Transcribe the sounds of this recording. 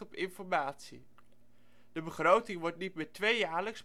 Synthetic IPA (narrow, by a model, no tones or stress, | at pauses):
ɔpɪnfɔɹmaːtsḭ | d̥əbəχrowtɪŋʋɔɹtnit̚mɪːɹtʋejjaːɹləks